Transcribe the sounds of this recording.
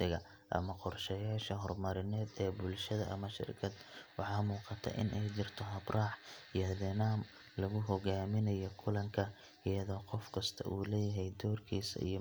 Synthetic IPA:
ɪɣɐ | ʔɐ̰mɐqɔrʃɛjaːʃɐɦɔrmɐɾɪnɛːd̪ɛːbʊlʃɐðɐʔɐmɐʃɪ̰rkʰɐd̪wɑħɑːmuːqɑt̪ʰɐ̰ʔɪ̰nʔɛjt͡ʃɪrt̪ʰɔɦɐbrʔɑːħijhɐðɛnaːm | lɐɣʊɦɔɣaːmɪnɐjɔkʰʊlɐŋkʰɐ | ʔɪjɐðɔːqɔfkʰɐst̪ʰɐ̰ʔuːlɛːjɐɦɛjd̪ɔːrkʰiːsɐ̰ḭjɔ

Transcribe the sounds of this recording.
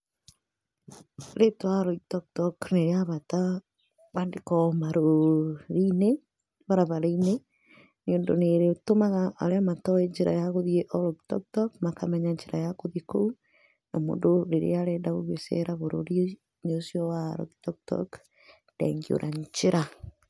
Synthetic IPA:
ɾetwaɾɔitɔk̚tɔkneɾeaβata | βandekɔmaɾoɾine | βaɾaβaɾaine | neondoneɾetomaɣaʔaɾeamatɔeɲd͡ʒeɾa̰jaɣoðieʔɔlɔɡtɔ̰k̚tɔkmakamɛɲaɲd͡ʒeɾajakoðekou | namo̰ndoɾeɾḛaɾɛːdaɣoɣesḛɾaβoɾo̰ɾi | ɲosiɔwaɾɔ̰tɔktɔ̰k | ndɛ̰ŋɡio̰ɾʔaɲt͡ʃeɾa

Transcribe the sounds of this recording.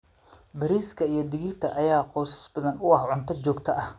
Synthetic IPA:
bɐɾiːskʰɐijɞd̪ɪɣɪrt̪ʰɐʔɐjaːqɔːsɐ̥sbɐðɐnʊɑhʕʊnt̪ʰɐt͡ʃɔːɡt̪ʰɐʔɐh

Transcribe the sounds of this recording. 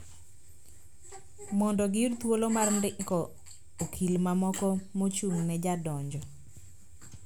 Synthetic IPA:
mɔndɔɡɪrt̪wolomarndɪŋkɔ | okʰilmamɔkɔmot͡ʃuŋnɛd͡ʒadɔɲd͡ʒɔ

